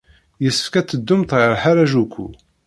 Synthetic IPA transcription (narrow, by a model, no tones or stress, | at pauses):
jəsːə̥fkæt͡sːəd̪ːʊmt̪ʁəɾˤħaɾaʒukːṵ